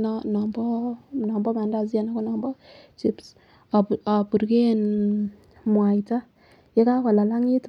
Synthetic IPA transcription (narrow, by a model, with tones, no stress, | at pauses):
nnɔ˨mbɔ˦nɔ˨mbɔ˦ma˨˦nda˨z̬i˦a˦na˦kɔ˦nɔ˨mbɔ˦t͡ʃi˦ps | a˨pu˨ɾke˦n | mwa˨jta˦ | je˦ka˦ka˨la˨la˦ŋi˦t